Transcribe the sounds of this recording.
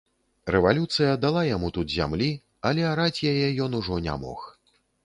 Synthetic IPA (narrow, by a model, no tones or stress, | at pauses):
rɛvalʲut̪sɨjɐd̪alˠajamut̪ut̪zʲa̰mlʲi | alʲɛaɾat͡sʲjajɛjɔnuʐɔnʲa̰mɔ̰x